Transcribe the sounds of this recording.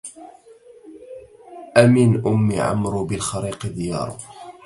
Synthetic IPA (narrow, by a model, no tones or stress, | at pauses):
ʔaminʔʊmːiʕa̰mɾʊbɪlxɑɾiːqd̪ɪjɑ̰ːɾ̰ˤ